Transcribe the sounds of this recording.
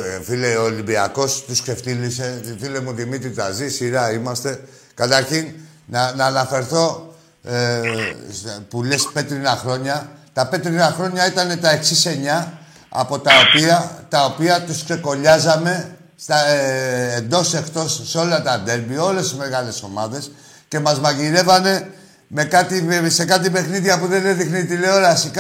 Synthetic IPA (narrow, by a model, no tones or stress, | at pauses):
fileolimbiɐ̰ko̞st̪uskse̞ft̪ilise̞filemuðimit̪ɾit̪ɐzisiɾɐimɐst̪e̞ | kɐt̪ɐɾçin | nɐnɐːnɐfe̞ɾθo̞ | pulespe̞t̪ɾinɐxɾo̞ɲɐt̪ɐpe̞t̪ɾinɐxɾo̞ɲɐit̪ɐne̞t̪ɐe̞ksise̞ɲɐ | ɐ̰po̞t̪ɐopiɐt̪ɐopiɐt̪uskse̞ko̞ʎɐzɐme̞ | st̪ɐː | nd̪o̞se̞kt̪o̞sːeo̞lɐt̪ɐd̪e̞lbio̞le̞sizme̞ɣɐle̞so̞mɐðe̞s | ce̞mɐzmɐʝiɾe̞vɐne̞ | me̞kɐt̪ise̞kɐt̪̬ipe̞xniðiɐpuðeneðixniðile̞oɾɐsik